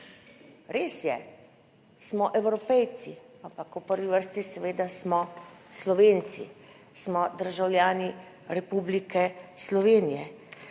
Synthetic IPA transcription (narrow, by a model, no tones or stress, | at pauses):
ɾeːsjɛ | smɔʔɛwɾɔpɛjt̪si | ampakupəɾʋiʋəɾst̪isɛʋeːd̪asmɔslɔʋeːnt̪sḭ | smɔd̪əɾʒawlʲjaːni | ɾɛpublikɛslɔʋeːnijɛ